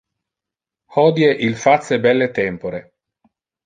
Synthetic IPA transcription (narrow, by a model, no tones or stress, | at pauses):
hɔːd̪jeʔilfat̪sebɛlːet̪ɛmpoɾe